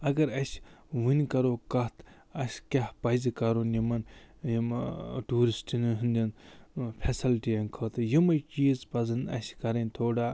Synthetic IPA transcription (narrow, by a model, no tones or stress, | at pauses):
ɐɡɐɾɐsʋɨnʲkɐɾoːkɐt̪ʰ | ɐsʲkʲɐhpɐzikɐɾonjimɐnjimʈuːɾisʈinɦɨnd̪ʲɐnpʰesilʈijɐnkʰɐːt̪ɨjimɐjt͡ʃiːzpɐzɨnd̪ɐ̰skɐɾɐnʲt̪ʰoːɖaː